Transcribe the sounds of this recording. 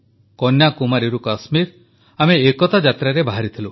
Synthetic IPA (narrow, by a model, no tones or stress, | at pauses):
kɔnjakumaɾiɾukasmiɾ | ameːkɔt̪ad͡ʒat̪ɾaɾebaɦaɾit̪ʰilu